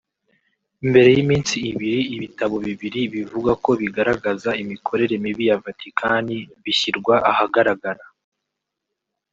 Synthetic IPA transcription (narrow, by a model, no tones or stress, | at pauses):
imbe̞ɾe̞jimiːnsiːβiɾiːβitaβo̞βiβiɾiβivuɡako̞βiɡaɾaɡazaimikʰo̞ɾe̞ɾe̞miβijavatʰikʰaniβiçiɾɡwaʔahaɡaɾaɡaɾa